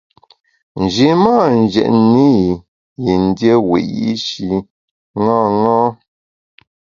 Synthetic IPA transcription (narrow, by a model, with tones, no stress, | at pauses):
n̩˨d͡ʒi˨ma˦˨n̩˨d͡ʒɛ̰˨ʔni˦˨ | ji˨n̩˦djə˦wḛ˨ʔjḭ˦ʃi˨ | ŋa˦˨ŋɔ̃˦